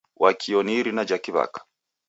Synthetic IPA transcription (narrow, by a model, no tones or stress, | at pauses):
wʔakʰiɔniɾinad͡ʒakiβa̰kḁ